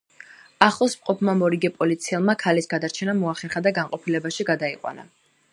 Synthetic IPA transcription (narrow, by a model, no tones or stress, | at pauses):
aχlˠɔsmqʼɔpʰmamɔɾiɡɛpʼɔlit̪sʰiɛlˠmakʰalisɡad̪aɾt͡ʃʰɛnamɔaχɛɾχad̪aɡaɴqʼɔpʰilɛbaʃiɡad̪aiqʼwa̰na̰